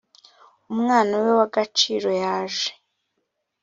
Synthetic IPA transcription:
umŋaːnawewaɡat͡ʃiːɾo̞jaːʒe̥

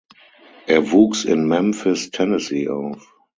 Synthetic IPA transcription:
ʔɛɐvuːksɪ̃nmɛ̃mfɪstʰɛnəsiʔaʊf

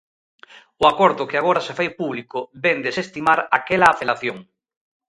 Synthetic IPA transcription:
ʊakoɾðʊkeaɣ̞oɾasefajpuβlikʊbend̪esest̪imaɾakelaːfelaθjoŋ

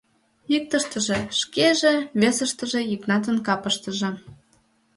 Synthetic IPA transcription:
ik̚t̪əʃt̪ə̆ʒĕʃkeʒĕβesəʃt̪ə̆ʒĕjiknɑt̪̬ənkɑpəʃt̪ə̆ʒĕ

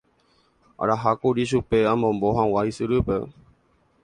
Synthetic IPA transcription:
a̰ɾaɦakuɾiʃ̬upe̞ãmõmbo̞ɦãwaisɨɾɨpe̞

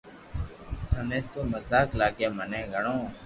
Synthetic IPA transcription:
t̪ʰənẽːt̪oːməzaːklaːɡeːmənẽːɡʱəɳõː

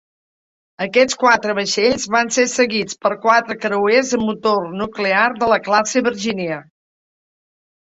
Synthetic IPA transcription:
əkɛt͡skwat̪ɾəβəʃeʎzβansesəɣit͡spəɾkwat̪ɾəkɾəwezəmːut̪ornuklearðələklaseβəɾʒiniə

